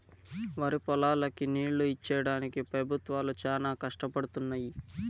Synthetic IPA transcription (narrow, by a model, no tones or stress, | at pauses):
ʋaːɾipɔlaːlɐkiniːɭːuit͡ʃːɛjɐɽaːnikipɾɐbʱut̪ʋaːlut͡ʃaːnaːkɐʂʈɐpɐɽut̪unːaːji